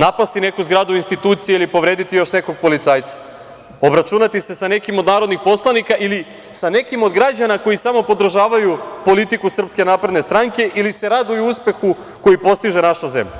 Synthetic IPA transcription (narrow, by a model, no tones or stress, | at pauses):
napast̪ine̞kuzɡɾaːd̪uinst̪it̪uːt̪sijeilipo̞ʋɾe̞ːd̪it̪ijoʃne̞ko̞ɡ̚po̞lit̪saːjt̪sḁ | o̞bɾat͡ʃunat̪ise̞sane̞kimod̪naːɾo̞d̪nixpo̞slˠanikaʔili | sane̞kimo̞d̪ɡɾad͡ʑanako̞jisamo̞po̞d̪r̩ʒaːʋajupo̞lit̪ikusr̩pske̞naːpɾed̪nest̪ɾaŋke̞ʔilise̞ɾad̪ujuspe̞xu | ko̞jipo̞st̪iʒe̞naʃaze̞̰mʎa